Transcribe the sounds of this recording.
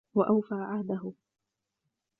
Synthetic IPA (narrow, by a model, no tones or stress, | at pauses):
waʔawfaːʕahd̪aɦʊ